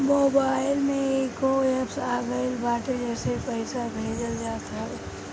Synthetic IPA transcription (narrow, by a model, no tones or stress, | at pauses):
moːbaɪlmẽeːkoepsaːɡəɪlbaːʈed͡ʒɛːsepəɪsabʱeːd͡ʒəld͡ʒaːt̪a